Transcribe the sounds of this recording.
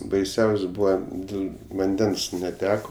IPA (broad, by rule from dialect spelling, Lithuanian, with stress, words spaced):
bɐɪˈsʲɛʊsʲ ˈbuːʋɐ ˈdʲɪlˠ ʋɐnʲˈdʲɛns nʲɛˈtʲæːkoː